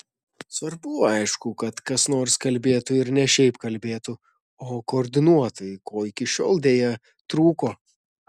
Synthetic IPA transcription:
sʋɐɾbʊɐɪʃkʊkɐt̪kɐsnoːɾskɐlʲbʲeːt̪ʊɪɾnʲɛʃʲɛɪpkɐlʲbʲeːt̪ʊ | oːkoːɾʲd̪ʲɪnuɔt̪ɐjkoːɪkʲɪʃʲo̰ːlˠd̪ʲeːjɛ | t̪ɾuːkoː

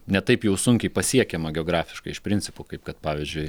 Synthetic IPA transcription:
nʲɛt̪ɐɪpjɛʊsʊŋʲkʲɛɪpɐsʲiɛkʲɛmɐɡʲɛoːɡɾɑːfʲɪ̥ʃkɐɪɪʃpʲɾʲɪnʲt͡s̪ʲsʲɪpʊkɐɪp̚kɐt̪pɑːʋʲɪzʲd͡ʒʲʊɪ

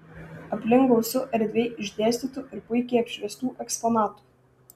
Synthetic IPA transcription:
ɐpʲlʲɪŋɡoʊsʲʊʔɛɾʲd̪ʲʋʲeɪʔɪʒʲd̪ʲeːsʲt̪ʲiˑt̪ʊɪɾpʊɪkʲɛɐpʲʃʲʋʲɛst̪uːʔɛkspɔnɑːt̪u̥ː

